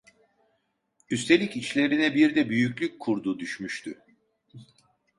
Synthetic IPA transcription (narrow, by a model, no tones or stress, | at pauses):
yst̪ʰe̞lʲicit͡ʃlʲe̞ɾinɛbiɾd̪ɛbyjycʲlʲyc̚ʲkʰuɾd̪uːd̪yʃmyʃt̪ʰy